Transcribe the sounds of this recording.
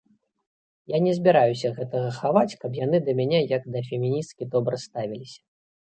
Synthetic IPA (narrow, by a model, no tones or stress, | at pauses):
janʲɛzʲbʲiɾajusʲɐɣɛt̪ɐɣɐxavat͡sʲkɐpjanɨd̪ɐmʲanʲɛjɐɡd̪ɐfʲɛmʲinʲist̪̚kʲid̪ɔbɾɐst̪avʲilʲisʲɐ̥